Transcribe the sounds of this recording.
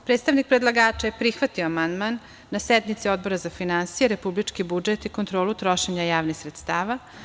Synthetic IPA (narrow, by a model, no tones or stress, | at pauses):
pɾeːt̪st̪aʋnik̚pɾed̪lˠaɡaːt͡ʃajepɾixʋat̪ioamand̪manː | ased̪mit̪sio̞d̪̚bo̞ɾazafinansijeɾe̞publit͡ʃkibud͡ʒet̪ikont̪ɾo̞ːlut̪ɾo̞ʃeɲajaːʋnixsɾe̞t̪st̪aːʋa